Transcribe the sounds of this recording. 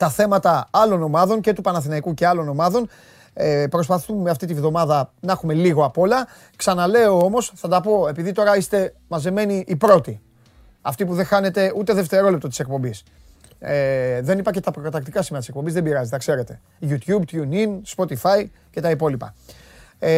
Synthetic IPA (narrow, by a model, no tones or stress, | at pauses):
t̪ɐθe̞mɐt̪ɐɐlo̞no̞mɐðo̞nce̞t̪upɐnɐθinɐikuce̞ɐlo̞no̞mɐðo̞n | epɾo̞spɐθummeɐft̪it̪ivðo̞mɐðɐnɐxume̞liɣo̞ɐpo̞lɐ | ksɐnɐle̞o̞o̞mo̞sθɐd̪ɐpo̞e̞piðit̪o̞ɾɐist̪e̞ | mɐze̞me̞niʔːpɾo̞t̪i | ɐft̪ipuðe̞xɐne̞t̪e̞ut̪e̞ðe̞ft̪e̞ɾo̞lept̪ot̪isek̚po̞mbis | ðe̞nipɐɾçet̪ɐpɾokɐt̪ɐk̚t̪ikɐsimeɐt̪isek̚po̞mbizðe̞biɾɐzit̪ɐkse̞ɾe̞t̪e̞ | ʝut̪jubt̪juninspo̞t̪ifai | ce̞t̪ɐipo̞lipɐ̰